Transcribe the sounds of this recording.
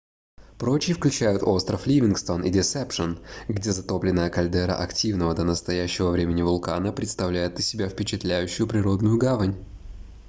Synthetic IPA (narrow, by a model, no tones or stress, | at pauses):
pɾo̞t͡ɕɪjfklʲʉt͡ɕæjʊt̪o̞st̪ɾəflʲivʲɪnkst̪o̞nʔidʲɪsɛpʂənɡdʲe̞zɐt̪o̞plʲɪnəjəkɐlʲd̪ɛɾə̰ʔɐktʲivnəvəd̪ənəst̪ɐjæɕːɪvəvɾʲemʲɪnʲɪvʊlˠkanəpɾʲɪt̪st̪ɐvlʲæjɪt̪ɪsʲɪbʲæfpʲɪt͡ɕɪt̪lʲæjʉɕːʊjʊpɾʲɪɾo̞d̪nʊjʊɡavənʲ